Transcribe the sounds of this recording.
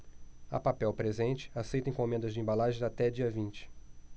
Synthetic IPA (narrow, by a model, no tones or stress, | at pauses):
a̰papɛwpɾezẽnt͡ʃɪ̥asejt̪ẽj̃kõmẽnd̪ɐzd͡ʒɪẽmbalaʒẽat̪ɛd͡ʒiɐvĩnt͡ʃɪ̥